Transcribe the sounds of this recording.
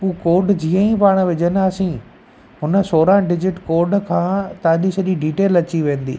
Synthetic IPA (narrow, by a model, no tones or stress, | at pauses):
puːkoːɾɖd͡ʑiːə̃ĩpaːɽ̃̆ʋɪd͡ʑənɪasĩ | ɦʊnə̆soːɾãɖɪd͡ʑɪʈkoːɾɖkʰãːt̪ɐãɲd͡ʑisɐʄiɖiːʈeːlɐt͡ɕiʋẽːn̆d̪ḭː